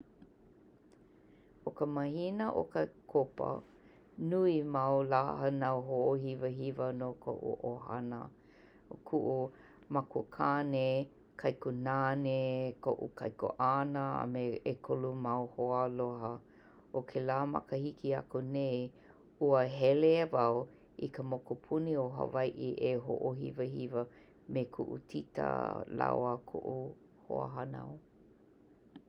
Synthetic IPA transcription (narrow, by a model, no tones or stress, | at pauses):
okəmɐhinəʔo̰kəkʰopə̰ | nuimawla̰hənawɦoʔohivəɦivənokʰo̰ʔṵʔo̰ha̰nə̰ | okʰuʔo | makukʰane | kʰajkunanekʰoʔukʰa̰jko̰ʔanəa̰meekʰolumawhoaloɦɐ | okʰelaːmɐ̰kəhikiɐ̰konej | uəɦɛleavaw | ḭkəmokupʰunioɦɐ̰vajʔiʔeɦo̰ʔoɦḭvəhivə | mekʰuʔṵtʰitə̰la̰wakʰo̰ʔu | ho̰a̰ɦana̰w